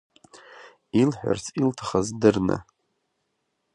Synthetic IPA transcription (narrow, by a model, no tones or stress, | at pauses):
ilħᶣʷa̰rt͡sʰiltʰḁχazdɨrnɨ̰